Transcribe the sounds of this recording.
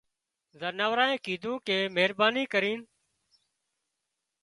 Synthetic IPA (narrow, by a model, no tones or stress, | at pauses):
zənaːʋɾaːẽːkiːd̪ʱũːkeːmeɦɾbaːniːkəɾiːn